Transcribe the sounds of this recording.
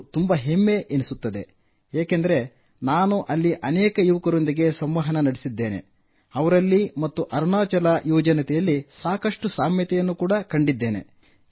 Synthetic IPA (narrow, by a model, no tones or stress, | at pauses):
t̪umbɐɦemːe̞ʔenisut̪ːɐd̪e̞̰ | eːkend̪ɐɾe̞ | naːnuʔɐlːiʔɐnɛːkɐjuʋɐkɐɾo̞nd̪iɡe̞sɐmʋɐɦɐnɐnɐɽisid̪ːeːne̞̰ | ɐʋɐɾɐlːimɐt̪ːuʔɐɾunaːt͡ʃɐlɐjɔːd͡ʒɐnɐt̪ɛjɐlːisaːkɐʂʈusaːmjɐt̪ɛjɐnːukuːɽɐkɐɳɖid̪ːeːne̞̰